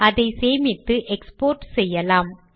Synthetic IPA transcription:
ɐðɐɪseːmɪt̪ːɯʔɛkspoːɾʈsɛjːɐlaːm

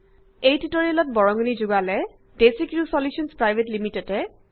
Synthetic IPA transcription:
ejtitɔɹilɔt̚bɔɹɔŋɡɔnizuɡalɛ | desikɹusɔlusɔnspɹajbʱetlimitɛtɛ

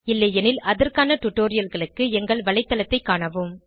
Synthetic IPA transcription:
ɪlːɐjɛnɪlɐðɐrkaːnɐʈʊʈːoːɾɪjɐlɣɐɭɯkːɯɛŋɡɐɭʋɐɭɐɪt̪ːɐlɐt̪ːɐɪkːaːɳɐʋɯm

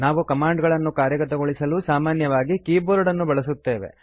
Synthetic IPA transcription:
naːʋukɐmaːɳɖɡɐɭɐnːukaːɾjɐɡɐt̪ɐɡoɭisɐlusaːmaːnjɐʋaːɡikiːboːɾɐɽɐnːubɐɭɐsut̪ːe̞ːʋe̞̰

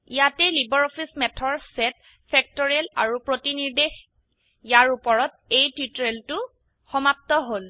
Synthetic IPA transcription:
ijatɛlibɔɹɔpʰismɛtʰɔɹsɛt̚ | fʰɛk̚tɔɹiala̰ɹupɹotiniɹdex | jaɹupɔɹɔt̚ | ejtutɹeltʊ | xɔmap̚tɔɦol

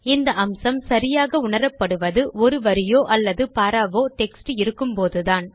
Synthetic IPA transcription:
ɪnd̪ɐʔɐmsɐmsɐɾɪjaːɣɐʊɳɐɾɐpːɐɽɯʋɐðɯʔɔɾɯʋɐɾɪjoːʔɐlːɐðɯpaːɾaːʋoːʈɛksʈɯɪɾɯkːɯmpoːðɯðaːn

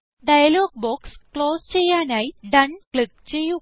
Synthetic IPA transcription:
ɖɐjɐloːɡ̚boːkskloːst͡ʃejaːnɐjɖɐnklik̚t͡ʃeju

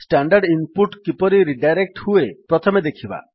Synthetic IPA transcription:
sʈaɳɖaɾɖinpuʈkipɔɾiɾiɖajɾek̚ʈhuepɾɔt̪ʰɔmed̪ekʰiba̰

